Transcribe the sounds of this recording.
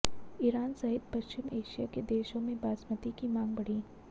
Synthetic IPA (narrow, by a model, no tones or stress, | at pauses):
ɪɾaːnsɐɦɪt̪pɐʃt͡ʃɪmeːʃijaked̪eːʃõmẽbaːsmət̪ikimãːŋɡbɐɽ̤iː